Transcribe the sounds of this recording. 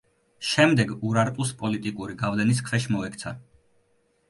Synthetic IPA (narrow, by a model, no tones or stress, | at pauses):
ʃɛmd̪ɛɡuɾaɾt̪ʼuspʼɔlit̪ʼikʼuɾiɡavlɛniskʰvɛʃmɔɛkʰt̪sʰa